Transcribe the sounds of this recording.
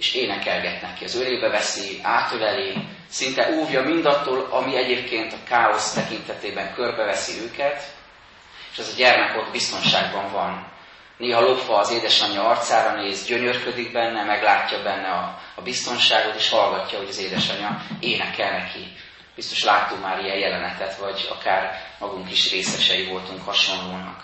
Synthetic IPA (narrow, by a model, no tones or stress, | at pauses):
eːʃeːnɛkɛlɡɛt̪nɛkːiɒzøleːbɛvɛsiaːt̪ølɛleː | sint̪ɛʔuːvjɒmind̪ɒt̪ːoːlɒmiɛɟeːp̚keːnt̪ɒkaːo̞st̪ɛkint̪ɛt̪eːbɛŋkørbɛvɛsiøːkɛt̪ | eːʃɛzɒɟɛrmɛko̞d̪bist̪o̞nʃaːɡbɒɱvɒnː | eːɦɒlo̞fɒːzeːd̪ɛʃɒɲɒɒrt̪saːɾɒneːzɟø̞ɲørkød̪iɡ̚bɛnːɛmɛɡlaːcːɒbɛnːɛɒːbist̪o̞nʃaːɡo̞t̪eːʃhɒlɡɒcːɒɦo̞ɟɒzeːd̪ɛʃɒɲɒeːnɛkɛlnɛki | b̥ist̪o̞̥ʃlaːt̪ːukmaːɾijɛjjɛlɛnɛt̪ɛt̪vɒɟɒ̰kaːrmɒɡuŋkiʃreːsɛʃɛjivo̞lt̪uŋkhɒʃo̞nloːnɒk